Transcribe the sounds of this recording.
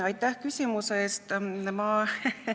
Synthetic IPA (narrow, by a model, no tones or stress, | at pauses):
ɑjt̪ːˑæhkysʲimuseeːst̪mɑ